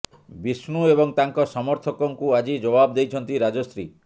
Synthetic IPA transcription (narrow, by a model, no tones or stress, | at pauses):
bisnuebɔŋt̪aŋkɔsɔmɔɾt̪ʰɔkɔŋkuad͡ʒid͡ʒɔbab̚d̪ejt͡ʃʰɔnt̪iɾad͡ʒɔsɾi